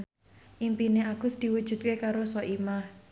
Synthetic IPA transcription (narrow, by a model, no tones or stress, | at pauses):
ʔimpineaɡ̥ʊ̤sd̪̥i̤wud̥ʒ̥ṳt̪̚kekaɾosɔʔimah